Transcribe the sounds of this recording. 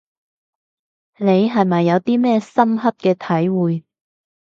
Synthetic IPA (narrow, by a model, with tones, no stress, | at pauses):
ne˨˧jɦɐ˨jmɐ˨jːɐ˨˧wt̪iː˥mɛː˥sɐ˥mɦɐ˥t̚kɛː˧t̪ʰɐ˨˥jwuː˨j